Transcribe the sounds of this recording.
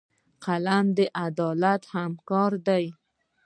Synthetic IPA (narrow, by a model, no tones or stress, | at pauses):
qalamd̪əʔad̪ɑlat̪hamkɑɾd̪aj